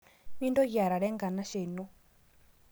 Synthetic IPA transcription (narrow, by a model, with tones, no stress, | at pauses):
mi˦ndɔ˦ɣa˨ɾa˨ɺɛ˦ŋɡa˨na˦ʃe˨nu˦